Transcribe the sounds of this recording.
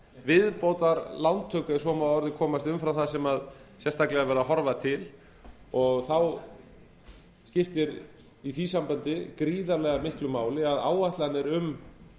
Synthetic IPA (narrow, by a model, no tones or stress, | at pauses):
vɪðpowt̪aɾlawnt̪ʰœːkʏɛɾ̥sɔːmaɔɾðɪkʰɔːmast̪ʏmfɾawθaðsɛmaðsjɛst̪ʰaklɛɣavɛɾðaɦɔɾvat̪ʰɪl | ɔɣθaw | scɪft̪ɪɾ | iθisampant̪ɪkɾiːðalɛɣamɪhklʏmaːwlɪaða̰ːwaht̪lanːɪɾʏm